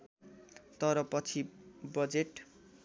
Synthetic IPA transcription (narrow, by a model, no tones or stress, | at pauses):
t̪ʌɾʌpʌt͡sʰibʌd͡zeʈ